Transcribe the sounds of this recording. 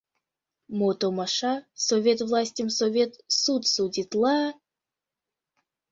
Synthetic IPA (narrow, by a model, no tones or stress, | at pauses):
mot̪omaʃasovʲet̪vlˠasʲtʲimsovʲet̪sut̪sudʲit̪lˠa